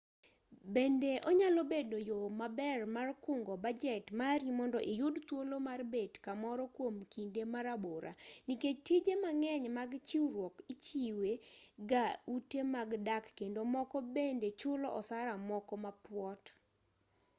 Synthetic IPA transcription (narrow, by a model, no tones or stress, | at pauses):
bendeʔɔɲalobedojomabɛrmarkʊŋɡɔbad͡ʒɛtmaɾimɔndɔʔijʊdt̪wolomarbetkamɔɾɔkwomkindemaɾaboɾʔa̰niket͡ʃtid͡ʒemaŋɛɲmaɡt͡ʃiwɾwɔkit͡ʃiweɡautemaɡdakːendomɔkɔbendet͡ʃʊlɔʔɔsaɾamɔkɔmapwɔt